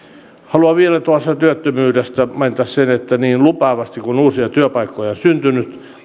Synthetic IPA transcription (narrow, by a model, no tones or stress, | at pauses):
hɑluɑʋielæt̪uɑst̪ɑt̪yøt̪ːømyːdest̪æmɑint̪æssenet̪ːæniːnlupɑːʋɑst̪ikunuːsiɑt̪yøpɑikːojɑonsynt̪ynyt̪